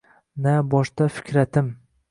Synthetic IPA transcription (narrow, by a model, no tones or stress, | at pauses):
nabɒʃt̪afɪ̥kʲʰɾat̪ʰɪm